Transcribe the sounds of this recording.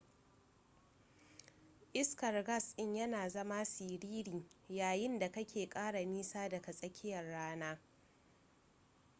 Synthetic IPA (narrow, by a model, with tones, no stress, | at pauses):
ʔɪ˦skɐ˨rɡɐ˦˨sʔɪ˦ɲjɐ˦naː˨zɐ˦ma˦siː˨ɾiː˦ɾiː˨jaː˨jɪ˦nda˨kɐ˦kʲeː˨kʼaː˦ɽa˨miː˦saː˦dɐ˨ka˨sʼɐ˦kʲʰɪ˦jɐ˨rːaː˦naː˦